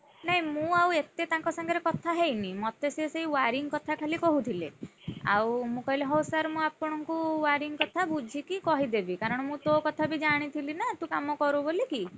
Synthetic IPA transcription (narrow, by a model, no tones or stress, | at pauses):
naɦĩmũawet̪et̪ãŋkɔsɔŋɡɔɾekɔt̪ʰaɦejnĩmɔt̪eseseɦiwaɾiŋkɔt̪ʰakʰalikɔɦut̪ʰilḛa̰wmũkɔɦileɦɔwsaɾmũapɔɽ̃ɔŋkuwaɾiŋkɔt̪ʰabud͡ʒʱikikɔɦid̪ebikaɾɔɽ̃ɔmũt̪okɔt̪ʰabid͡ʒaɽ̃it̪ʰilinat̪ũkamɔkɔɾuboliki